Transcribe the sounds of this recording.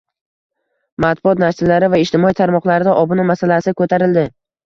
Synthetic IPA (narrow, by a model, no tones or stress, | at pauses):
mat̪̚bʊɒt̪nasɪlːaɾɪvaɪʃt̪ɪmɒit̪ʰaɾmɒqlˠaɾɪd̪aʔɒbʊnamasalasɪkʰɵt̪ʰaɾɪld̪ɪ